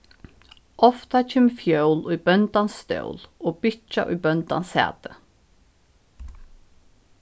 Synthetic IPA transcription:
ʔɔft̪ɑt͡ʃʰeːmfjœʉluib̥œnt̪ɑnst̪œ̰ʊloːb̥ɪt͡ʃa̰ʔʉ̰ːbœnt̪ɑ̰nshæ̰ːt̪ə

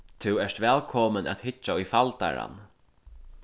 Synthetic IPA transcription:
t̪ʰɪwɛʂt̪ʋɛːlkʰɔməna̰t̪hɪt͡ʃːaʊjfalt̪a̰ɾa̰n

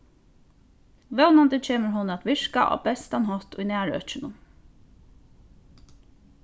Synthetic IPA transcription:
ʋɛwnand̪ət͡ʃʰeːməɹɦʊnat̪ʋɪʂka̰ʔɔ̰ːbɛst̪anɦɔt̪ʊjnæːɹœ̰t͡ʃɪnʊ

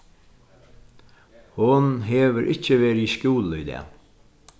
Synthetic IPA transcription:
hʊnɦeːʋəɾʔɪcəʋeːɾɪiʃkuːlʏ̰d̪ɛ̰ː

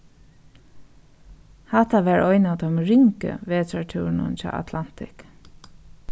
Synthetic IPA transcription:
hat̪aʋæːɹʔɔʏnat̪ɔmɹɪŋkə̰ʋeːt̪atʰʉːnʊ̰nt͡ʃɑ̰ːʔa̰t̪ʰlan̥t̪ʰɪk

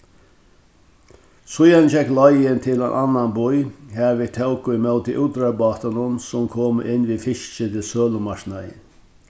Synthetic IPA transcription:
sʊjand͡ʒɛklɔjɪnt̪ʰɪlænʔanːanbʊjhæɾʋɪt̪ʰɛwkʊɪmœwt̪iʔuːt̪ɾaɹbɑːt̪anʊnsʊmkʰoːməʔɪnːʋiːfɪʃt͡ʃət̪ʰɪlsøːlʊmaʃnajɪ̰

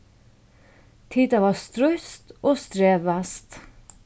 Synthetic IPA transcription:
t̪ʰiːd̪ɑʋɑːst̪ɾʉst̪ʔoːst̪ɾeːʋæst̪

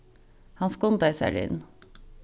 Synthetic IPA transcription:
hɑnskʊnd̪æɪsæ̰ːɭɪ̰n

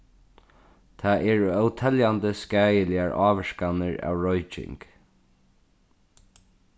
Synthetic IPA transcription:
t̪ʰaʔɛɹœwt̪ʰɛljant̪əskæːjəlɪaɹɑːʋəʂkanəɹa̰ːwɹɔjt͡ʃɪ̰ŋk

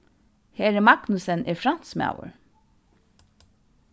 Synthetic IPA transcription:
heːɾɛmɑɡnʉsənʔɪːfɾɑnt̪smɑ̰ʊə̰ɹ

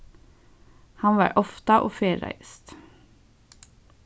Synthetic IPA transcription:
hɑnʋɑ̰ːɹʔɔft̪ɑʔoːfeːɾæ̰ɪst̪

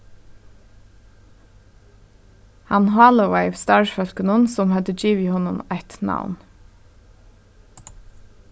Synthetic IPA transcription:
hɑnɦɑːləweɪʋst̪ɑɹfœlkənʊnsʊmhɑd̪əd͡ʒiːʋɪhɔnʊmat̪na̰wn

